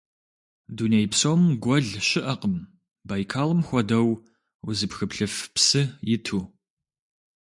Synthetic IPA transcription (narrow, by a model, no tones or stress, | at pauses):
dunejpsowmɡʷɔɮʃɪʔɐqəm | baːjkʰaːlɨmxʷɔdɐw | wzɨpxɨpɬɨfpsɨjɪtʰuː